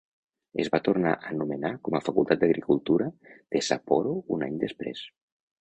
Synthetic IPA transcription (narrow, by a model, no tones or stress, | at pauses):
ḛzβat̪urnaʔənumenakɔməfakulˠt̪at̪̚d̪əɣɾikulˠt̪uɾəd̪̥esapɔɾounaɲd̪əspɾḛs